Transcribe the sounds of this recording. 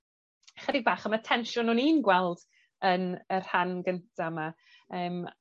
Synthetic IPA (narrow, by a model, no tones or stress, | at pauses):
χɛdɪɡ̚baːχəmatʰɛnʃʊnhʊniːnɡwɛlˠd̥ | ənər̥hanɡəntʰama | əːm